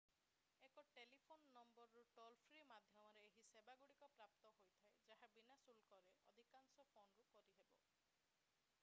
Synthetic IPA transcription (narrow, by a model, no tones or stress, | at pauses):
ekɔʈelipʰonːɔmbɔɾɔɾuʈɔlpʰɾimad̪ʱjɔmɔɾeːɦisebaɡuɽikɔpɾapt̪ɔɦojt̪ʰaed͡ʒaɦabinasulkɔɾeɔ̰d̪ʱikaŋsɔpʰonɾukɔɾiɦebɔ